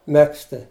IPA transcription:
ˈmʲæːksʲtʲɪ

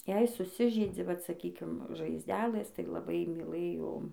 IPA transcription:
jɛɪ sʊˈsʲɪʒʲɛɪd͡zʲɪ ʋɐt sɐˈkʲiːkʲɪm ʒɐɪzʲˈdʲæːlˠɘs tɐɪ lˠɐˈbɐɪ mʲiːˈlˠɘjoː

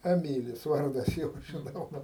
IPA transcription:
ɛˈmʲiːlʲɪs ˈʋɐrdɐs ˈjoː ʒʲɪˈnɐʊ ˈʋɐ

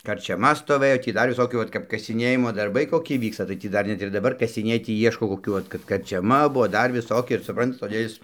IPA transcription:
kɐrʲt͡ʃʲɛˈmɐ stoːˈʋɘjoː tʲiː ˈdɐr ʋʲɪˈsoːkʲuː ˈʋɐt kɐp kɐsʲɪˈnʲeːjɪmoː dɐrˈbɐɪ koːˈkʲɪ ˈʋʲiːkstɐ tɐɪ ˈtʲiː ˈdɐr ˈnʲɛt ɪr dɐˈbɐr kɐsʲɪˈnʲeːj ˈtʲiː ˈiɛʃkoː koːˈkʲuː ˈʋɐt kɐt kɐrʲt͡ʃʲɛˈmɐ ˈbʊʋoː ˈdɐr ʋʲɪˈsoːkʲɪ ɪr sʊˈprɐntɐt toːˈdʲeː ɪs

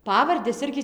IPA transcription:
ˈpɑːʋɐrʲdʲɛs ˈɪrʲɡʲɪ

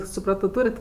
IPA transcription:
sʊˈprɑːtoː ˈtuːrʲɪt

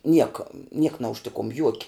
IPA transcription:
ˈnʲiɛkɐ nʲiɛk nɐʊʃʲˈtʲɪkʊm ˈjuɔkʲɪ

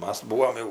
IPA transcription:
ˈmɐs ˈbuːʋoːm jɛʊ

